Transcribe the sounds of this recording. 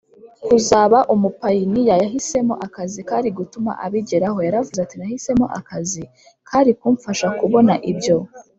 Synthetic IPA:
kuzaːβaʔumupajinijajaɦise̞mo̞ʔakazikaːɾiɡutuma̰ʔaβiɟeɾaɦo̞jaɾavuzatinahise̞mo̰ʔa̰kazi | kʰaːɾikuːɱfaʃakuβo̞naʔibjo̞

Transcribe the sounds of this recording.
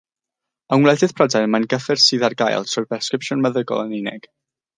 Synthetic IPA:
awnwlˠɛdɨð̥pʰrɔdajnmanɡəfɛrsiːðarɡa̰j̰lˠtʰrɔjbɛskɾɪpʃʊnməðəɡɔ̰lˠənɪnɛ̰ɡ̥

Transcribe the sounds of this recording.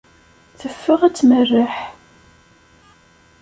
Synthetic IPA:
θəfːəʁæt͡sːmərːaħ

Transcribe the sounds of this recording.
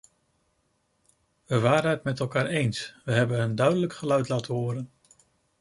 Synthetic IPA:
ʋəʋaːɾənətmɛtɛlˠkaːɹejnsʋəɦɛbənɦəndœɥdələkχəlœɥtlaːtəɦʊːɾən

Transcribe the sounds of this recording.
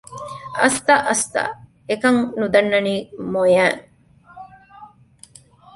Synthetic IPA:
ʔɐst̪ɐʔɐst̪ɐ̰ | ekɐŋnud̪ɐnːɐniːmojæːŋ

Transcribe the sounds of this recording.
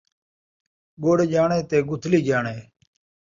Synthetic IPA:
ɡoːɽd͡ʒaːɳẽːt̪eːɡʊt̪ʰliːd͡ʒaːɳeː

